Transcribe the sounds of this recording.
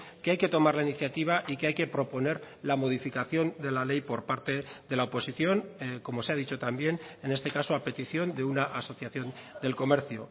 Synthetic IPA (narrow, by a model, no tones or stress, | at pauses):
keajke̞t̪o̞maɾlainiθjat̪iβ̞aʔikeajke̞pɾo̞po̞ne̞ɾ | lamo̞ðifikaθjo̞nd̪e̞lale̞jpo̞ɾpaɾt̪e̞ðe̞laopo̞siθjo̞ŋko̞mo̞seað̞it͡ʃo̞t̪ambje̞ne̞ne̞st̪e̞kasoape̞t̪iθjo̞nd̪e̞unaʔaso̞θjaθjo̞nd̪e̞lko̞me̞ɾθjo